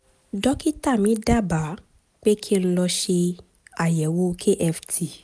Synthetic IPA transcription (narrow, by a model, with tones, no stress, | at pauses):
dɔ˦ki˦ta˦˨mĩ˨˦da˦˨ba˨˦ | k͡pe˦kʰĩ˦˧˦lɔ˧ʃe˧ | a˨jɛ˨wo˦˧kʰe˦ʔɛ˧ftʰi˨